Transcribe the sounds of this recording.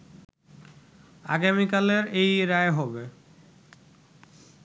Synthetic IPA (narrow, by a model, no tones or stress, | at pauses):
a̰ɡamikaleɾejɾaeɦɔbe